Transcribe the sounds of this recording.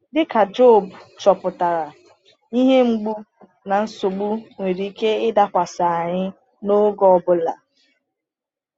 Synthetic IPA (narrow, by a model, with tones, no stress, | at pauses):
dɪ˦ka˨d͡ʒo˦˨bt͡ʃɔ˨pʊ˨ta˨ɾa˨ | i˦ɦe˦ŋ͡m̩˦ɡ͡bu˦ | na˨n̩˦sʊ˨ɡ͡bu˦ŋʷe˨ɾi˨˦ke˦ɪ˦da˨kʷa˨sa˨a˨ɲɪ˦ | no˦ɡɔ˦˨bʊ˦la̰˨